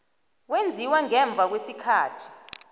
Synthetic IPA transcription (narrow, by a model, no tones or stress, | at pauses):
wend͡zʱiwaŋɛɱb̪vʱak̬wesikʰaːtʰi̥